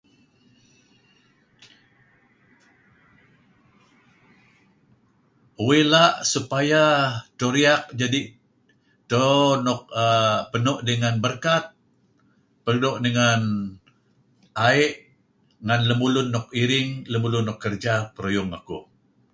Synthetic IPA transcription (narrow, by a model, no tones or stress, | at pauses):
uwelaʔsupajat̪oɾiak̚d͡ʒadi | t̪onɔk̚əpənɔʔdəŋanbərkat̪̚ | pərdoʔdəŋan | aɪʔ | ŋanləmulʊnːɔk̚iɾɪŋləmulʊnːɔkːərd͡ʒapəɾojʊŋa̰ku